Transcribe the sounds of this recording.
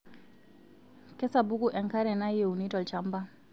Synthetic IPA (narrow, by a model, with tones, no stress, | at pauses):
kɛ˦sabu˦ɡu˨ʔɛ˨ŋka˦ɾɛ˨na˦je˨wu˨ni˦tɔ˨lt͡ʃamba˦